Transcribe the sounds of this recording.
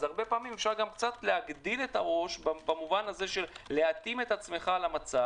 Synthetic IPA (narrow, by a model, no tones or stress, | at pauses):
zaʁbe̞paːmimefʃaʁɡamkt͡sat̪le̞ɦaɡd̪ilet̪aʁo̞ʃbbamuvanaze̞ʃe̞lːe̞at̪ime̞t̪at͡sme̞χalamat͡sa